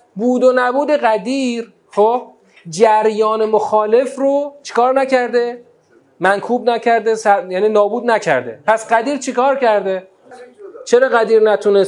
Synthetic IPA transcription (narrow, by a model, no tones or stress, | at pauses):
buːd̪onæbuːd̪eɣæd̪iːɾ | hob | d͡ʒæɾjɒːnemoxɒːle̞fɾot͡ʃʰe̥kɒːɾnæcʰæɾd̪e | mænkʰuːbnæcʰæɾd̪esæjæːniːnɒːbuːd̪næcʰæ̰ɾd̪ḛpʰæsɢæd̪iːɾt͡ʃʰikɒːɾcæɾd̪e | t͡ʃʰeɾɒːɣæd̪iːɾnæt̪ʰunes